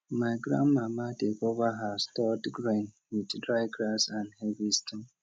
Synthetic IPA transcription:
maɪɡɾa̰mːamatekovaɦastɔtɡɾen | widdɾaɪɡɾasãndhevistɔm

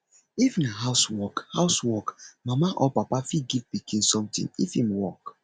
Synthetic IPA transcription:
ifnaɦaʊswɔkhaʊswɔkmamaʔɔpapafiɡivpikʰĩnsɔ̃mtḭ̃ŋifhĩmwɔk

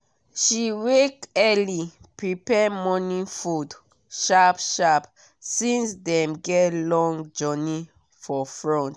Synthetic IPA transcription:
ʃiwekɛli | pɹipɛmɔnĩfud | ʃapʃap | sĩnsdɛ̃mɡɛtlɔ̃ŋd͡ʒɔni | fɔfɹɔ̃nt

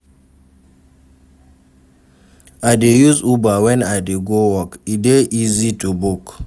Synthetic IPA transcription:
aɪdejuzubawɛ̃naɪdeɡowɔkideʔizitubuk

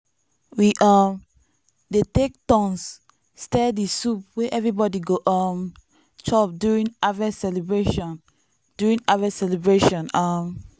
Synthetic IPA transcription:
wiʔam | detek̚tɔ̃ns | stɛdisup̚wɛʔɛvɹibɔdiɡoʔɔm | t͡ʃɔp̚djuɹĩŋavasɛlebɹeʃɔ̃n | d̥uɹĩŋavɛsɛlebɹeʃɔ̃nam

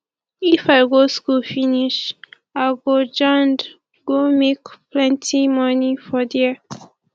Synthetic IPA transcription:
ifaɪɡoskufiniʃ | aɡod͡ʒɔ̃nd | ɡ̥omekplɛ̃ntʰimɔnifɔdɛ

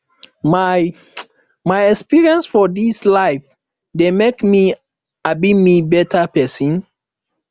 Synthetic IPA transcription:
ma | majɛkspiɹiɛ̃nsfɔdislaɪf | demekmi | abimibɛtʰəpɛsĩn

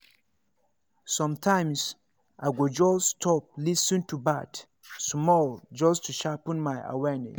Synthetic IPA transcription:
sɔ̃mtʰãɪ̃ms | ʔaɪɡod͡ʒɔstʰɔp̚lisĩntubat | smɔld͡ʒɔstʰuʃapə̃nmaɪʔa̰wɛnɛ̰s

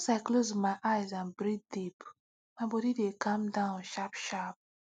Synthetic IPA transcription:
ɔsaɪklozmaɪʔaɪzãnbɹid̚dip | maɪbɔdidekʰãmdãʊ̃nʃapʃap̚

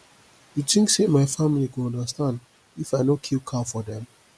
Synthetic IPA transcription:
jutĩŋksemaɪfamilikũɔ̃ndəstãnd | ifaɪnokʰilkʰafɔdɛ̃m

